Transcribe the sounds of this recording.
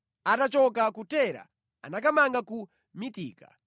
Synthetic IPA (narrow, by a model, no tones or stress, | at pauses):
atat͡ʃɔkakutɛɾa̰ | a̰nak̬amaŋɡaku | mitḭːka